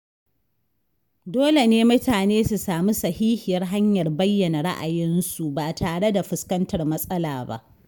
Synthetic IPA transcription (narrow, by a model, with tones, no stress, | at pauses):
doː˦le˨neː˦mʊ˦taː˨neː˦su˨saː˨mi˦sɐ˨hiː˦hɪ˨jɐ˦rɦa˦ɲjɐ˨rbɐ˦jːɐ˨na˨ɽa̰˦ʔa̰˨jɪ˦nsu˨baː˨taː˨ɽe˦da˨ɸʊ˦skɐ˦ntɐ˨rmɐ˦sʼɐ˦la̰ː˨ba̰˦ʔ